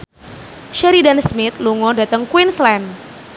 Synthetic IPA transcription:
ʃɛɾidansmɪt̪̚luŋɔdat̪əŋkwɪnslɛn

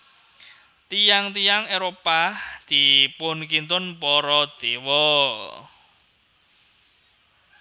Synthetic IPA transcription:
t̪ijaŋt̪ijaŋeɾopad̪̥ipʊnkint̪ʊnpɔɾɔd̪̥ewɔ

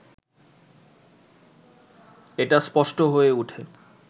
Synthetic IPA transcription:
eʈaspɔʃʈoɦoeuʈʰe

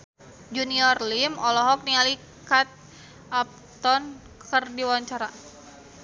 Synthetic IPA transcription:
d͡ʒuniɔrlimɔlɔɦɔk̚niali | kat̪̚ | ʔap̚t̪ɔn | kərdiwaɲt͡ʃaɾa

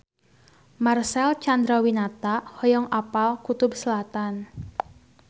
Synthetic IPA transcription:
marsɛlt͡ʃand̪ɾawinat̪aʔhɔjɔŋʔapalkut̪ʊbsəlat̪an

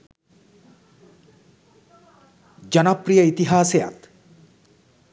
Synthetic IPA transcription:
d͡ʒʌnapɾijɐit̪iɦaːseja̰t̪

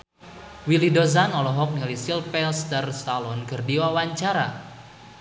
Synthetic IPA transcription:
wilidozanɔlɔɦɔk̚nialisilpɛlst̪ərst̪alɔnɡərdiwawaɲt͡ʃaɾa

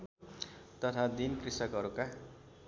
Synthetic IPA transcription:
t̪ʌt̪ʰad̪inkrisʌkɦʌɾuka

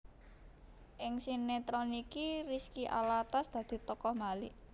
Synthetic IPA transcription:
ʔɪŋsinet̪ɾonikiriskiʔa̰lat̪asd̪̥ä̤d̪̥i̤t̪ɔkɔhmali

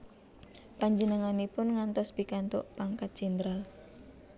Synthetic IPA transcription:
paɲd͡ʒənəŋanipʊnŋant̪ɔsb̥ikant̪ʊ̰ʔpaŋkat̪̚d͡ʒ̥ɛnd̪ɾal

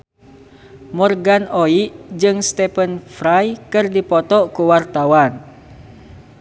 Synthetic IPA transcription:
mɔrɡanoiʔd͡ʒɨŋst̪ɛpənfɾajkɨrdipɔt̪ɔkuwart̪awan

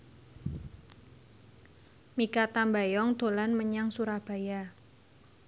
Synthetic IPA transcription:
mikat̪ambajɔŋd̪̥o̤lanməɲaŋsuɾahb̥a̤ja

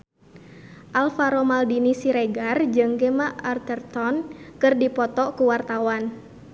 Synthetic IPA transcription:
ʔalfaɾɔmaldinisiɾɛɡard͡ʒɨŋɡɛmaart̪ɛrt̪ɔnkɨrdipɔt̪ɔkuwart̪awan

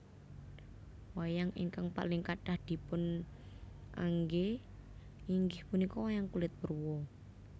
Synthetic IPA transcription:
wajaŋḭŋkaŋpa̰lɪŋkaʈahd̪̥i̤pʊn | ʔa̰ŋɡe | iŋɡɪhpunikɔwajaŋkulɪt̪̚bərwɔ

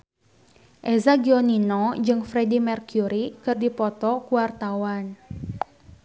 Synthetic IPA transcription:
ʔɛzaɡiɔninɔd͡ʒɨŋfɾedimɛrkjuɾikɨrdipɔt̪ɔkuwart̪awan

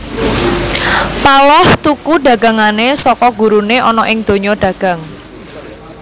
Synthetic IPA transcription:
palɔht̪ukuɖä̤ɡä̤ŋanesɔkɔɡ̥ṳɾuneʔɔnɔʔɪŋd̪̥o̤ɲɔɖ̥ä̤ɡ̥ä̤ŋ

